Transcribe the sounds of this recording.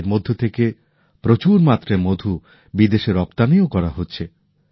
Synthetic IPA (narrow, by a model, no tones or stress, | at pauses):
ɾmod̪ʱːot̪ʰeke | pɾot͡ɕuɾmat̪ːɾemod̪ʱu | bid̪eʃeɾɔpt̪aniokɔɾaɦotːɕʰe